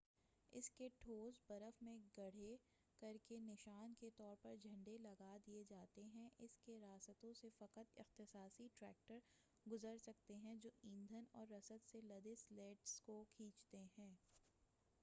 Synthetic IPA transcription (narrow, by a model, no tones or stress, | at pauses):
ɪ̰skeʈʰoːzbɐɾəfmẽɡɐɽ̤e | kɐɾkenɪʃaːnket̪ɔːɾpɐɾd͡ʒʱɐ̃ɳɖelɐɡad̪ied͡ʒaːt̪eɦɛ̃ʔɪskeɾaːsət̪õsefɐqət̪ɪ̰xt̪ɪsaːsiʈɾɛːk̚ʈəɾ | ɡʊzəɾsɐk̚t̪eɦɛ̃d͡ʒoːʔĩːnd̪ʱənɔːɾːɐsət̪selɐd̪esleːʈskokʰĩːt͡ʃt̪eɦɛ̃ː